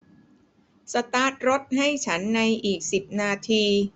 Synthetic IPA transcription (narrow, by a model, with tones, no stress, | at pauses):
sa˧t̪aː˦˥t̪̚ɾo˦˥t̪̚ɦa˥˩jt͡ɕʰa˦˥nːa˧jʔiː˨˩k̚si˨˩p̚naː˧t̪ʰiː˧